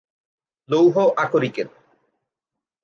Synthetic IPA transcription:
lowɦɔʔakoɾiken

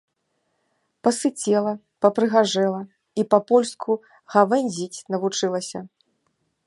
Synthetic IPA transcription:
pɐsɨt͡sʲɛlˠɐ | pɐpɾɨɣaʐɛlˠɐ | ipɐpɔlʲskʰu | ɣavɛnʲzʲit͡sʲnɐvut͡ʂɨlˠɐsʲɐ

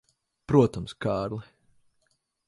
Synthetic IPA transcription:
pɾuɔt̪amskaːɾlˠɛ

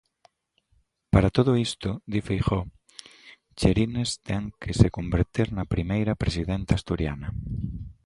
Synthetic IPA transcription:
paɾat̪oðoist̪od̪ifejxɔ | t͡ʃeɾinest̪ɛŋkʰesekombeɾt̪iɾnɐpɾimejɾɐpɾesiðent̪ast̪uɾja̰nɐ

